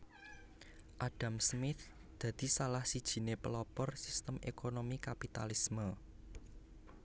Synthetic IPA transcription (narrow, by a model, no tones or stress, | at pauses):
ʔaɖ̥a̤msmɪt̪ | d̪̥ä̤d̪̥i̤salahsid̥ʒ̥i̤nepəlɔpɔrsist̪əmḛkonomikapit̪alismə